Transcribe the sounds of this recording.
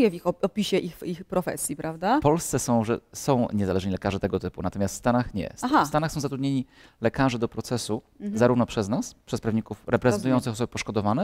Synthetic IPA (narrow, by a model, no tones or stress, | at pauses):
jɛvʲixɔɔpʲiɕɛʔixixpɾɔfɛ̰sʲjipɾavd̪apɔlst̪sɛsɔ̃w̃ʐɛsɔ̃w̃ɲɛzalɛʐɲilɛkaʐɘt̪ɛɡɔt̪ɘpṵnat̪ɔmʲast̪st̪anaxɲɛ̰st̪ast̪anaxsɔ̃w̃zat̪ɾud̪ɲeɲi | lɛkaʐɛd̪ɔpɾɔt̪sɛsu | zaɾuvnɔpʂɛznaspʂɛspɾavɲikufɾʔɛpɾɛzɛnt̪ujɔnt̪sɨxɔsɔbɘpɔʂkɔd̪ɔvanɛ